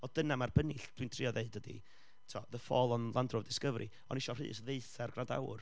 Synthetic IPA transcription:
ɔd̥ənamarbənɪɬd̥wɨntʰr̥ɪɔðeɨdədḭ | tʰɔðəfɔːlˠɔnlˠandrʊvdɪskəvɾʔi | ɔ̰nɪʃɔr̥ɨ̰ːsðeɨθɛrɡrada̰wr

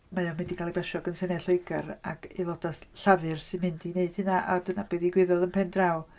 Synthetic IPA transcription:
majɔmɪndikʰalˠib̥ɛʃɔɡənsɛnɛɬoɨɡa̰raɡilˠɔdaθɬavɨrsɪnmhɨndineɨd̥hɨnaʔadənab̥iðiɡwɪðɔðənpʰɛndraw

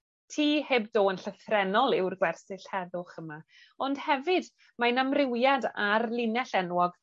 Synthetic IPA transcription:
tʰiːheːb̚doːənɬəθrɛnɔlˠɪwrɡwɛrsɨɬhɛðʊχəma | ɔndhɛvɨd | manamrɪwjadarlˠɪnɛɬɛnwɔɡ̥

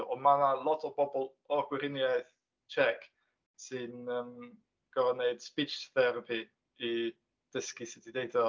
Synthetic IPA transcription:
ɔmanalˠɔtʰɔbɔbɔlˠ | ɔɡwɪɾɪnjaɨθ | t͡ʃʰɛkʰ | sɨnəm | ɡ̥ɔvɔneɨd̥spit͡ʃθɛɾapʰiː | d̥əskisɪdideɨdɔ

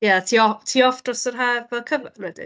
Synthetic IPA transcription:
jaatʰiːɔtʰiːɔfd̥rɔsərɦaːrvɛlˠkʰəvnwɛdɪ̰

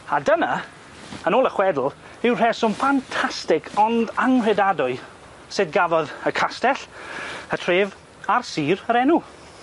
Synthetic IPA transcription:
adəna | ənoːlˠəχwɛdl̩ˠ | ɪwr̥ɛsʊmfantʰastɪkʰɔndaŋr̥ɛdadʊɨ | sɨdɡavɔðəkʰastɛɬətʰreːv | arsiːrəɾɛnu

